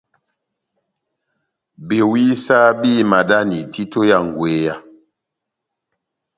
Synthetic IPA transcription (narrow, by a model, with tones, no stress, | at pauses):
be˨wi˦sa˦biː˦˨ma˨da˦ni˨tʰi˦to˦ja˦˨ŋ˨ɡwe˨˦ja˦˨